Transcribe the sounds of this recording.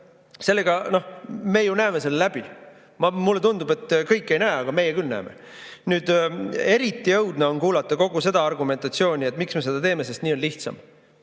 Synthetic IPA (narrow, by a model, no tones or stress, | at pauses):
se̞lːe̞ɡ̥ɑno̞hme̞ːjunæeme̞se̞lːlæb̥i | mɑmulːe̞t̪und̪ub̥e̞t̪ːˑkɤjkːˑe̞jnæːɑɡ̥ɑme̞jekylnæ̰ːmḛ | nyːd̪̥e̞ɾit̪ːˑijɤwd̪neo̞nkuːlɑt̪ːˑɑko̞ɡ̥use̞d̪̥ɑɑrɡume̞nt̪ˑɑt̪sio̞ːnʲie̞t̪ːˑmiksme̞se̞d̪ɑt̪eːme̞sest̪niːo̞nliht̪sɑ̰m